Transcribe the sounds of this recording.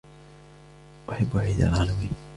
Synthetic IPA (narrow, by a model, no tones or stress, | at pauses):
ʔaħabːʔaʕiːd̪a̰lʕaːlamiːn